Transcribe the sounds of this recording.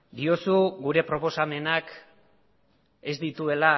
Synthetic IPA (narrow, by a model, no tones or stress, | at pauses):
d̪io̞suɡuɾe̞pɾo̞po̞same̞nak | e̞zd̪it̪ue̞la